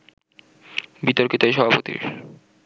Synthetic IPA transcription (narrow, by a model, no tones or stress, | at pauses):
bit̪oɾkit̪oeʃɔbʱapot̪ḭɾ